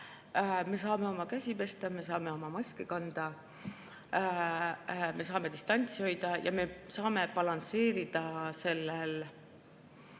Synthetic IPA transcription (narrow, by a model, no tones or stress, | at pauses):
me̞sɑːme̞o̞mɑkæsʲipe̞st̪ɑme̞sɑːme̞o̞mɑmɑsʲkekɑnd̪̥ɑ | me̞s̬ɑːme̞d̪ist̪ɑnʲt̪sʲio̞jd̪̥ɑjʔɑ̰me̞sɑːme̞pɑlɑnse̞ːɾid̪̥ɑse̞lːel